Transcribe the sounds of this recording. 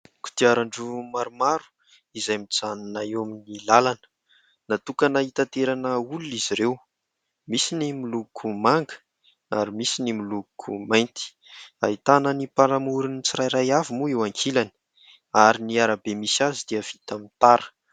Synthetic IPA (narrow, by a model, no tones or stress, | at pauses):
ku̥t̪iaɾaɳɖ͡ʐumaɾumaɾu̥ | izajmid͡zaninaowaminilalanə̥ | nat̪ukənait̪at̪eɾanəuluiziɾew | misinimulukʰumaŋɡə̥ | aɾimisinimulukʰumajnt̪i̥ | ait̪anənipaɾamuɾunit͡siɾajɾajavimuewaŋkʰilani̥ | aɾiniaɾabemisazid̪̥iəv̥it̪amint̪aɾə̥